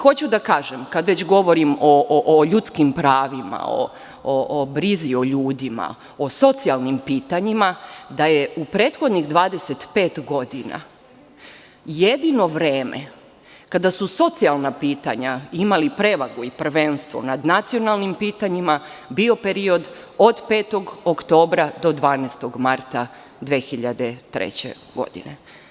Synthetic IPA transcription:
xo̞t͡ɕud̪akaːʒemkad̪ʋet͡ɕɡo̞ʋo̞ɾimoʔoʎut̪skimpɾaːʋima̰o̰ | oʔbɾizio̞ʎuːd̪ima̰ | oso̞t̪sialˠnimpiːt̪aɲimad̪ajeupɾeːt̪xo̞d̪niɣd̪ʋaːd̪ese̞t̪pe̞ːt̪ɡo̞d̪ina̰ | jed̪ino̞ʋɾeːmḛ | kad̪asuso̞t̪sialˠnapiːt̪a̰ɲaimalipɾe̞ʋaɡuipr̩ʋe̞nst̪ʋo̞̰nad̪nat̪sijo̞nalˠnimpiːt̪aɲima | bio̞peɾio̞d̪ | o̞d̪pe̞ːt̪o̞ɡokt̪o̞ːbɾad̪o̞d̪ʋaːnest̪o̞ɡmaɾt̪a | d̪ʋeːxiʎad̪et̪ɾḛt͡ɕḛ | ɡo̞̰d̪ḭnḛ

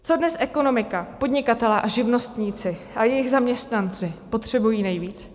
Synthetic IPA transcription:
t͡so̞dnɛsʔɛko̞no̞mɪkapo̞dɲɪkat̪ɛlɛːʔaʒɪvno̞st̪ɲiːt͡sɪ | ʔajɛjɪɣzamɲɛst̪nant͡sɪpo̞t̪r̝̥ɛbujiːnɛjviːt͡s

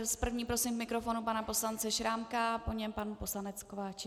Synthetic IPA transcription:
spr̩vɲiːpɾo̞sɪmvmɪkɾo̞fo̞nupanapo̞slant͡sɛʃɾaːmkapo̞ɲɛmpanupo̞slanɛt͡skovaːt͡ʃɪ

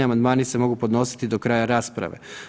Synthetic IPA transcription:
iamand̪maːnise̞mo̞ɡupod̪no̞si̥t̪id̪o̞kɾaːjaɾaːspɾa̰ʋe̞̰

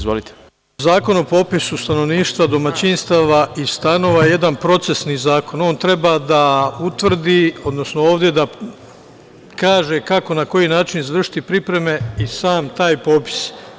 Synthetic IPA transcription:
zʋolit̪e̥ | zaːko̞nopo̞pisust̪ano̞ʋniːʃt̪ʋad̪o̞mat͡ɕinst̪aːʋaʔist̪ano̞ʋajeje̞d̪anpɾo̞t̪se̞sniːzaːko̞no̞ːnt̪ɾe̞bad̪aut̪ʋr̩d̪iːo̞d̪no̞snooːʋd̪je̞d̪a | kaːʒe̞kako̞nako̞jinaːt͡ʃinizʋr̩ʂʃi̥t̪ipɾipɾe̞me̞isaːmt̪aːjpo̞ːpi̥s

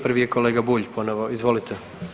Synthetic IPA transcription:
pr̩ʋijeko̞leːɡabuʎpo̞noʋoizʋo̞lit̪ʰe

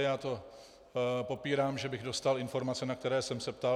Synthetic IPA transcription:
jaːt̪o̞ | po̞piːɾaːmʒɛbɪɣdo̞st̪alɪnfo̞ɾmat͡sɛnakt̪ɛɾɛːsɛmsɛp̚t̪a

